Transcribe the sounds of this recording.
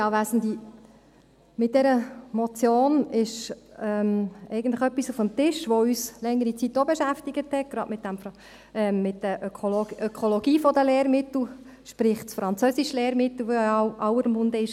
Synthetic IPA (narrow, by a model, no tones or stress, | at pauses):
jɑːʋæsən̩d̪i | mɪt̚d̥ɛɾəmɔt͡sjoːnɪʃɛmɛjɡən̩tləxœpːisufəmt̪ɪʃʋoyːslɛŋəɾit͡sitːobeʃæftiɡ̥əthɛt̚ɡ̥ɾɑdmɪt̚d̥æmf | ɛmːɪt̚d̥əøolœkʰolɔɡ̥iːfɔd̪əleːɾmɪt̪l̩ | ʃpɾɪχtsfɾɑnt͡sœsiʃleːɾmɪt̪l̩ʋoʔɑwəɾmʊnd̪əɪʃ